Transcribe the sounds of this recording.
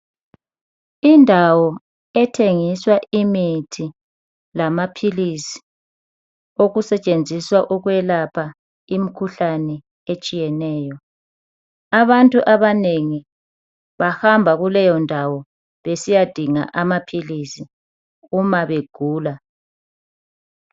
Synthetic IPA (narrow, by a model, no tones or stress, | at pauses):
indʱawɔ | ɛtʰeŋiswaʔimitʰi | lamapʰilisi̥ | oɣusɛt͡ʃʼend͡zʱiswaʔuɣwɛlapʰa | imikʰuɬanɛ | et͡ʃʼijɛnɛːjɔ | aβantʼuʔaβaneŋi | βahambʱaɣulɛjɔndʱawɔ | βesijad̥ʱiŋa̰ʔamapʰilisi | umaβeɡ̥ʱuːla